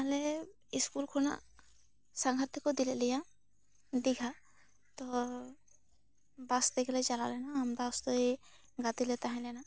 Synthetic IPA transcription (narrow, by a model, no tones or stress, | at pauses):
aɦlɛ | iskulkʰɔna̰ʔ | saŋɡʱaɾt̪ʰikɔd̪ilɛʔlija | ɖiɡʱa | t̪ɔ | basd̪ɛɡlɛd͡ʒala̰lɛnaːmd̪aɔst̪ɔj | ɡat̪ilɛt̪aɦɛ̃lɛna